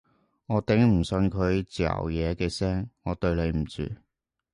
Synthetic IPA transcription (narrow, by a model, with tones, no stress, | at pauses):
ŋɔː˨˧t̪ɪ˨˥ŋm̩˨˩sɵ˧nkʰɵ˨˧ɥt͡si˨ɐ̰˨˩wjɛː˨˧kɛː˧sɛː˥ŋŋɔː˨˧t̪ɵ˧ɥle˨˧jm̩˨˩t͡sy̰ː˧˨